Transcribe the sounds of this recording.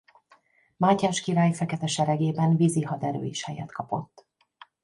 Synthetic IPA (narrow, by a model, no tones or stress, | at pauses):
maːcaːʃkiɾaːjfɛkɛt̪ɛʃɛɾɛɡeːbɛnviziɦɒd̪ɛɾø̰ːjiʃhɛjɛ̰t̪kɒpo̞̰t̪ː